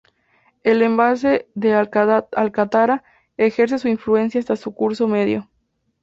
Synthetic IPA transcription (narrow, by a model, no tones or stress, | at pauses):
e̞le̞mbas̬e̞ðealkat̪aɾa | exe̞ɾs̬e̞suinflue̞ns̬jaːst̪asukuɾso̞me̞ðjo